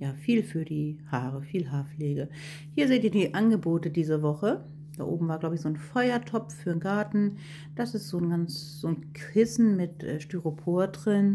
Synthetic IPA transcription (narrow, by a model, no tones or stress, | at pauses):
jaːfiːlfyːɐdiːhaːʁəfiːlɦaːɐfleːɡə | hiːɐzeːtiːɐdiːʔanɡəboːtədiːzəvɔχə | d̥a̰ːʔo̰ːbm̩vaːɡlaʊbəɪçz̥oːnfɔʏɐtʰɔp͡ffyːɐnɡaɐtn̩ | d̥asɪstz̥oːnɡant͡s | z̥oːnkʁɪsn̩mɪtʔɛːʃtyʁopʰoːɐdʁɪn